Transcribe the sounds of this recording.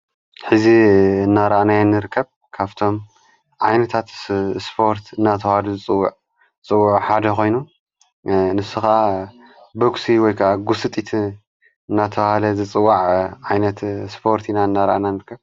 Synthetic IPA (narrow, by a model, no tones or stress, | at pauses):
ħɨziɨnːaɾaʔnajanːɨɾɨkʰːɐβ | kʰaβt̪ʰo̞m | ʕajnɐt̪ʰat̪spʰo̞ɾt̪ʰɨnːat̪ʰɐwhaluzɨt͡sʼɨwːaʕ | t͡sʼɨwːʊʕħad̪ɐko̞jnu | nɨsuxaa | boksiwɔjkʰaʔaɡusɨt̪ʼit̪ʰ | ɨnːat̪ʰɐβhalɐzɨt͡sʼɨwːaʕʕajnɐt̪spʰo̞ɾt̪ʰinaɨnːaɾa̰ʔnanɨɾɨkʰːɐβ